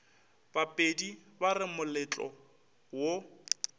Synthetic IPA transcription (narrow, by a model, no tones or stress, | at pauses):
b̥apʼedibarɪmʊlɪt͡ɬʼɔ̰ | wo